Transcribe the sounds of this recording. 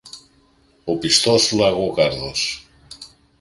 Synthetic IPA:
opist̪osulaɣokaɾðos

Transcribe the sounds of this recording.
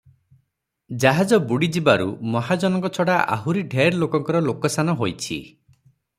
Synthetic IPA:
d͡ʒaɦad͡ʒɔbuɽid͡ʒibaɾṵmɔɦad͡ʒɔnɔŋkɔt͡ʃʰɔɽaʔa̰ɦuɾiɖʱeɾlokɔŋkɔɾɔlokɔsanɔɦojt͡ʃʰḭ

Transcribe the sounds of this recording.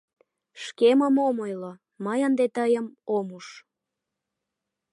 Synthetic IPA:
ʃkeməmomojlo | məjənd̪et̪əjəmomuʃ

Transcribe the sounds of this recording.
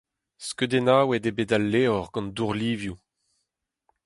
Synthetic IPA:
skød̪enaːwedebedalːeːɔʁɡɑ̃nduʁliːvju

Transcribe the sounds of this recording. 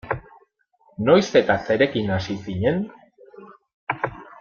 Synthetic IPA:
no̞jse̞t̪ase̞ɾe̞kinasisiɲe̞n

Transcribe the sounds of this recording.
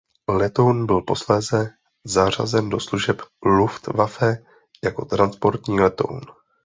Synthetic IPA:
lɛt̪o̞wnbɪlpo̞slɛːzɛ | zar̝a̰zɛndo̞sluʒɛpluft̪vafɛ | jako̞t̪ɾanspo̞ɾt̪ɲiːlɛt̪o̞̰wn

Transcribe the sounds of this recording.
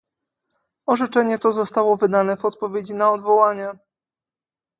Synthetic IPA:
ɔʐɛt͡ʂɛɲɛt̪ɔzɔst̪awɔvɘd̪anɛvɔt̪̚pɔvʲjed͡ʑinaɔd̪vɔwaɲɛ

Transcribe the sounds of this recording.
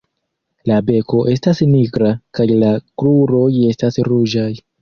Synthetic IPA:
labe̞ko̞ʔe̞stasniɡɾakajlakɾuɾo̞je̞stasɾud͡ʒaj

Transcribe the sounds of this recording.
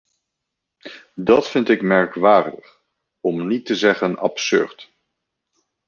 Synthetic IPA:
dɑtfɪntɪkmɛɹkʋaːɹdəχ | ɔmnitəzɛχənɑ̰psø̰ɹt

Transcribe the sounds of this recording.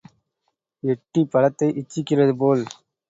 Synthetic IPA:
ɛʈːipɐlɐt̪ːɐɪʔɪt͡ʃːɪkːɪrɐðɯpoːl

